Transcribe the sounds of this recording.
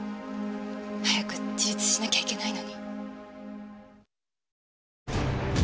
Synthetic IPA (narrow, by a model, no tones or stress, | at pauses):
hajakɯ̟d͡ʑiit͡sɨ̥ɕinakʲaike̞naino̞ɲ̟i